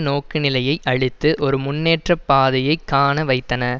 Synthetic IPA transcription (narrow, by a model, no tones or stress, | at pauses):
noːkɯnɪlɐjɐɪʔɐɻɪt̪ːɯʔɔɾɯmʊnːeːʈrɐpːaːðɐjɐɪkːaːnɐʋɐɪt̪ːɐnɐ